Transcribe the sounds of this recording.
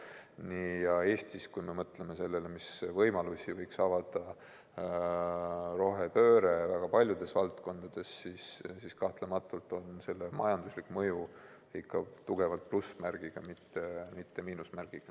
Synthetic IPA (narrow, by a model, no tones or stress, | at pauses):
nijɑe̞ːst̪iskujme̞mɤt̪le̞me̞se̞lːe̞le̞misvɤjmɑlusʲivɤ̞jksɑvɑd̪ɑ | ɾo̞ɦe̞pø̞ːɾe̞væɡ̥ɑpɑlʲjud̪̥e̞svɑlt̪ko̞nd̪̥ɑd̪̥e̞sːissiskɑht̪le̞mɑt̪ːˑult̪ˑo̞nse̞lːe̞mɑjɑnd̪̥uslikːˑmɤju | ikʰːɑt̪uɡ̥e̞vɑlt̪̚plusmæɾɡ̥iɡ̥ɑmit̪ːe̞mit̪ːe̞miːnusmærɡ̥iɡ̥ɑ